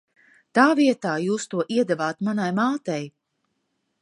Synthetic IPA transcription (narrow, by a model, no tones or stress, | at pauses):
t̪aːviɛt̪aːjuːst̪uɔʔiɛd̪ɛvaːt̪manajmaːt̪ɛj